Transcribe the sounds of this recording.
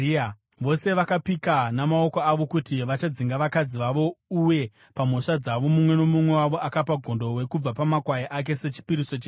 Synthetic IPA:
ʋo̞se̞ʋakapikanamao̞koaʋo̞kutiʋat͡ʃad͡ziŋɡaʋakad͡ziʋaʋo̞uje̞ | pamoʂad͡zaʋo̞mumwe̞nomumwe̞waʋo̞ʔakapaɡʱo̞ndo̞we̞kub͡vapamakwajaʔak̬e̞se̞t͡ʃi̥piɾiso̞t͡ʃeː

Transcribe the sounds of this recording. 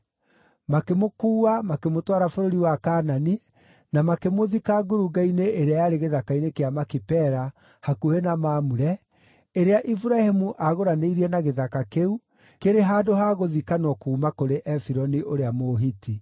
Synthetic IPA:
makemokuːamakemotwaɾafoɾoɾiwakaːnani | namakemoðikaɡoɾuɡaineʔeɾeajaɾeɣeðakainekeamakipɛɾa | hakuhenamaːmuɾɛ | eɾeaʔifuɾahemuʔaɣoɾaneiɾiɛnaɣeðakakeu | keɾeɦaːdoɦaɣoðikanwɔkuːmakoɾeʔɛfiɾɔniʔoɾeamoːɦiti

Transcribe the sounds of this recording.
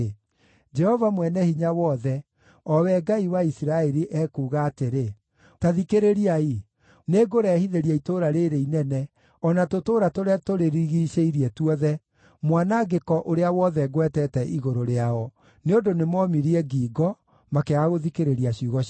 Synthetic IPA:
d͡ʒɛhɔvamwɛnɛhiɲawɔðɛ | ɔwɛɡaiwaisiɾaɛɾiʔɛkuːɣaːteɾe | taðikeɾeɾiai | neːɡoɾɛhiðeɾiaitoɾaɾeɾeinɛnɛ | ɔnatotoːɾatoɾɛtoɾeɾiɣiʃeiɾiɛtuɔðɛ | mwanaɡekɔʔoɾeawɔðɛɣwɛtɛtɛʔiɣoɾoɾeaɔ | neondonemɔmiɾiɛɡiːɡɔ | makeaɣoðikeɾeɾiaɕiuɣɔ

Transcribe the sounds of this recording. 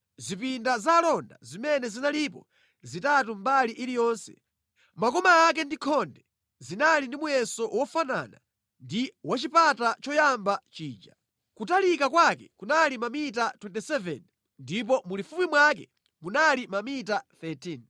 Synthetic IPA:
zipindazalɔnda̰zimɛnɛzinalipɔ̰ | zitatumbaliʔilijɔːnsɛ̰ | makɔmaːk̬ɛndikʰɔndɛ | zinalindimujɛsɔwɔfana̰na̰ | ndiwat͡ʃipatat͡ʃɔjambat͡ʃiːd͡ʒa | kutalikakwakɛkunalimamit̬atwɛntɛsɛvɛ̰n | ndip̬ɔmulifupimwak̬ɛ̰ | munalimamitaθɛtʰin

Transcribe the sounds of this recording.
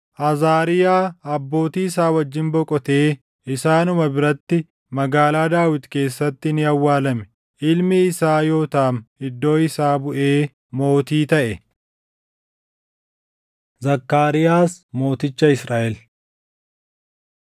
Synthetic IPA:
ʔɐzaːɾɪjaːɐbːo̞ːt̪iːɪsaːwɐd͡ʒːɪnbɔkʼɔt̪e̞ː | ɪsaːnʊmɐbɪɾɐt̪ːɪ | mɐɡaːlaːd̪aːwɪt̪ke̞ːsːɐt̪ːɪnɪɐwːaːlɐmɛ̥ | ʔɪlmɪːsaːjo̞ːt̪ɐɐmɪd̪ːo̞ːɪsaːbʊʔe̞ː | mo̞ːt̪iːt̪ɐʔɛ | zɐkːaːɾɪjaːsmo̞ːt̪ɪt͡ʃːɐɪsɾaːʔɛl

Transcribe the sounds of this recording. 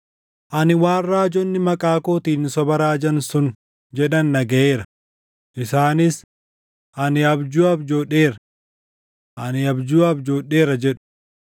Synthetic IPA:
ʔɐnɪwaːnrːaːd͡ʒɔnːɪmɐkʼaːkoːt̪iːnːɪsɔbɐɾaːd͡ʒɐnsʊn | d͡ʒɛᶑɐnːɐɡɐeːɾɐ | ʔɪsaːnɪs | ʔɐnɪɐbd͡ʒuːɐbd͡ʒoːᶑe̞ːɾɐ | ʔɐnɪɐbd͡ʒuːɐbd͡ʒoːɗe̞ːɾɐd͡ʒɛᶑʊ̥

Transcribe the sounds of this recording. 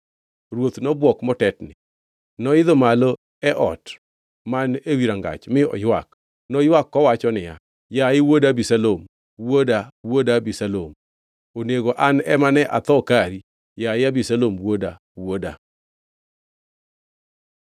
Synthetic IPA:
ɾwot̪nɔbwɔkmɔtɛtnɪ̰ | nɔɪd̪ɔmalɔ | ɛʔɔ̰t | manewiɾaŋɡa̰t͡ʃmɪɔ̰jwak | nɔjwakːɔwat͡ʃɔnɪja̰ | jaɪwodabisalom | wodawodabisalom | oneɡoʔanɛmanɛʔat̪ɔkaɾi | jaɪabisalomwoda | woda̰

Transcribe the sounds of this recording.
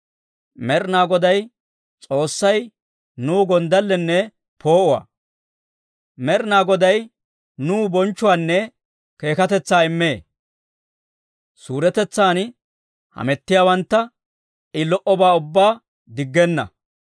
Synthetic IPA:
mɛɾnaːɡɔd̪ɐj | t͡sʼo̞ːsːɐj | nuːɡɔnd̪ɐlːɛnːɛ | pʰo̞ːʔʊwa̰ː | mɛɾnaːɡɔd̪ɐj | nuːbɔnt͡ʃːʊwaːnːɛ | ke̞ːkɐt̪ɛt͡sːaːɪmːe̞ː | suːɾɛt̪ɛt͡sːaːn | hɐ̰mɛt̪ːɪjaːwɐnt̪ːɐ | ɪlɔʔɔbaːʊbːaː | d̪ɪɡːɛnːɐ̰

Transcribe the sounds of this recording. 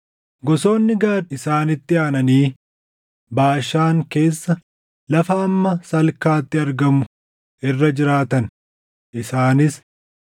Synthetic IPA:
ɡɔso̞ːnːɪɡaːɾɪsaːnɪt̪ːɪaːnɐniː | baːʃːaːŋke̞ːsːɐ | lɐfɐːmːɐsɐlkaːt̪ːɪɐɾɡɐmʊ | ʔɪrːɐd͡ʒɪɾaːt̪ɐn | ʔɪsaːnɪs

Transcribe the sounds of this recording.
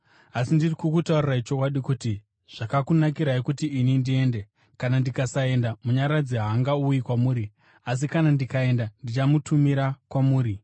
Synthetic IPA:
asindirikukutaurirait͡ʃo̞kwaɗikuti | ʐ̥akakunakiɾaikutiʔinindie̞nde | kanandikasae̞ndamuɲaɾad͡ziɦaːŋɡaujikwamuːɾi | as̬ikanandikae̞ndandit͡ʃamutumiɾakwamuːɾi

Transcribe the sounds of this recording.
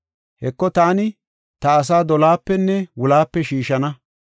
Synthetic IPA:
hɛkːɔt̪aːnɪ | t̪ɐɐs̬aːd̪ɔlaːpːɛnːɛwʊlaːpːɛʃiːʃɐnɐ

